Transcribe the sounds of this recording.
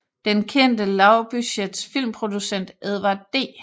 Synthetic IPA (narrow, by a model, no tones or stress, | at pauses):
d̥enkʰen̰d̥əlɑ̈ʊb̥yɕed̥sfil̰mpʰʁo̝d̥usen̰d̥eðˠʋɑd̥e̝̰ː